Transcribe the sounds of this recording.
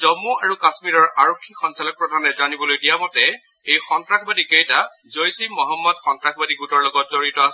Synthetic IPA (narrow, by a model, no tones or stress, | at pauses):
zɔmuaɹukasmiɹɔɹʔaɹokʰːixɔnsalɔk̚pɹɔdʱanɛzanibɔlojdijamɔtɛ | ejxɔntɹakʰbadikejtazojsimɔɦɔmːɔdxɔntɹakʰbadiɡutɔɹlɔɡɔt̚zoɹitɔasɛ